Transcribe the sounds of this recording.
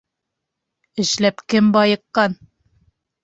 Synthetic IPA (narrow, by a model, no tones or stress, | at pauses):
ɘ̆ʃlæpkɘmbɑjɤ̆qːɑn